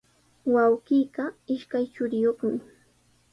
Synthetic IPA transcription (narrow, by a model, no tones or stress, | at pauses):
wawɢiːɢɑɪʃkajt͡ʃʊɾɪjoχmɪ